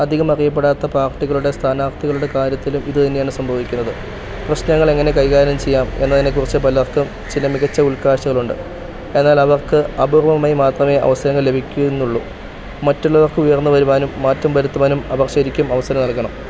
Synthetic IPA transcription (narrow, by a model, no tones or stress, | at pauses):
ɐd̪ʱiɣɐmɐrijɐp̬ːe̞ɽaːt̪ːɐpaːrʈːiɣɐɭuɽe̞st̪ʰaːnaːrt̪iɣɐɭuɽe̞kaːɾjɐt̪ːilumiðɨt̪ɐnːejaːɳɨsɐmbʱoːʋikʲːunːɐðɨ | prɐɕnɐŋːɐɭe̞ŋːɐne̞kɐjkaːɾɐnɐmt͡ɕe̞jːaːme̞nːɐt̪ɐnːekːurit͡ɕːɨpɐlɐrkɨm | t͡ɕilɐmiɣɐt͡ɕːɐulkaːɕɐɣɐɭuɳɖɨ̰ | e̞nːaːlɐʋɐrkɨɐbʱurɐʋɐmaːjimaːt̪rɐme̞ːʔɐ̰ʋɐsɐɾɐŋːɐɭle̞bʱikʲːuenːuɭːu | mɐtːuɭːɐʋɐrkɨujɐrnːuʋɐɾuʋaːnumːaːtːɐmʋɐɾut̪ːɐʋaːnumɐʋɐrɕɐɾikʲːumɐʋɐsɐɾɐmnɐlkɐɳɐm